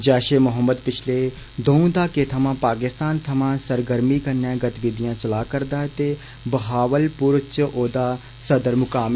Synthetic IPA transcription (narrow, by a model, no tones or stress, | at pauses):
d͡ʒɛːʃeːmʊɦəmːəd̪pɪt͡ʃʰleː | d̪oːũd̪aːkeːt̪ʰəmãːpaːkɪst̪aːnt̪ʰəmãːsəɾɡəɾmiːkənːãːɡət̪ʋɪd̪ijãːt͡ʃəlaːkəɾd̪aːt̪eː | bəɦaːʋəlpʊɾt͡ʃʔoːd̪aː | səd̪əɾmʊkaːm